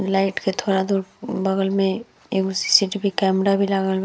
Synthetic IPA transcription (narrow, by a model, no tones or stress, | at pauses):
laːɪʈket̪ʰoːɾad̪uːɾbɐɡəlmẽ | eːkʊsi̥siʈibʱikɛːmɾabʱilaɡəl